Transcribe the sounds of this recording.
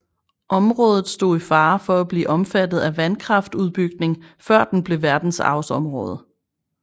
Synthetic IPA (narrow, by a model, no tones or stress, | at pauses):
ʔɒ̽mʁɔ̽ːð̞ˠð̞̩ˠsd̥o̝̰ːifɑ̈ːfɒ̽æb̥lḭːʔɒ̽mfæd̥ð̞̩ˠæʋænkʰʁɑ̈fd̥uð̞ˠb̥yɡ̥ne̝ŋfɶɐ̰d̥en̩b̥le̝ʋæɐd̥n̩sɑ̰̈ʊsɒ̽mʁɔ̽ːð̞ˠə